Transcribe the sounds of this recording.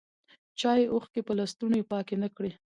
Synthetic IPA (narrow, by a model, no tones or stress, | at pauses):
t͡ʃɑjeʔoxkepəlast̪unojepɑkenəkɽe